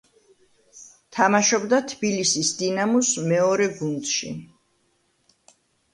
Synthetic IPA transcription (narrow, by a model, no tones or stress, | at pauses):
t̪ʰamaʃɔbd̪at̪ʰbilisisd̪inamusmɛɔɾɛɡund̪ʃḭ